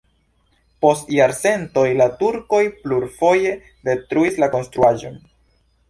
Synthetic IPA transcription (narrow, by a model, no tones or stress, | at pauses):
po̞stjaɾse̞nto̞jlatuɾko̞jpluɾfo̞je̞ | de̞tɾuislako̞nstɾuaʒo̞̰n